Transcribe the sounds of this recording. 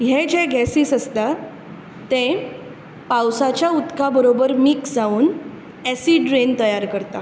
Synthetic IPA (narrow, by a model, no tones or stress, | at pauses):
ɦed͡ʑeɡɛsiːsəst̪a | t̪ẽ | pawsat͡ɕjaut̪kʰabəɾobəɾmiksd͡zauːn | ɛsiɖɾent̪əjaɾkəɾt̪a